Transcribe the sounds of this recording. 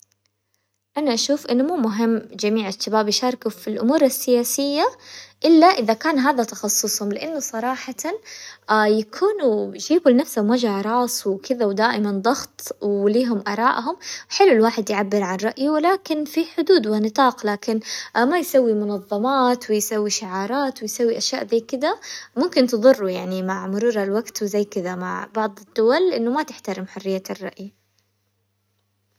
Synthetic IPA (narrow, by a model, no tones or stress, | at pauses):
ʔanaʔaʃuːfʔɪnːʊmuːmʊɦɪmːd͡ʒamiːʕɪʃːabaːbjʃɑːɾˤkufilʔʊmuːɾɪsːɪjaːsɪjːaʔɪlːaʔɪðakaːnɦaːðat̪ɑxɑsˤːʊsˤhʊmlɪʔanːʊsˤɑɾˤɑːħɑt̪an | jakʰuːnud͡ʒiːbulnafshʊmwad͡ʒaʕɾˤɑːsˤwɪkɪðawd̪aːʔɪmand̪ˤɑɣt̪ˤwliːɦʊmʔɑɾˤɑːʔɦʊmħɪlːɪlwaːħɪd̪jʕabːɪɾʕanrˤɑʔjiwɪlaːkɪnfiħʊd̪uːd̪wɪnɨt̪ˤɑːqlaːkɪnmajsawːimʊnɑðˤːɑmɑːt̪wɪjsawːiʃɪʕɑːɾˤɑːt̪wɪjsawːiʔaʃjaːʔðiːkɪd̪amʊmkɪnt̪ɨðˤɨrˤːujaʕnimaʕmʊɾuːɾalwaɡt̪wɪzajːkɪðama̰ʕbɑʕd̪ˤɪd̪̥ːʊwalʔɪnːʊmat̪ɪħt̪aɾɪmħʊrːɪjːarˤːɑ̰ʔj